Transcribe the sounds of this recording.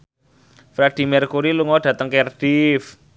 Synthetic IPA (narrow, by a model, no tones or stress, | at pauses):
fɾɛd̪̥i̤mɛrkuɾiluŋɔɖ̥ä̤t̪əŋkerd̥if